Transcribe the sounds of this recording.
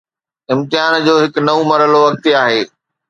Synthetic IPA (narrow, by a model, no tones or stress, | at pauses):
ɪ̃mt̪ɪɦaːnd͡ʑoːɦɪknɐomɐɾəloʋɐk̚t̪iaːɦeː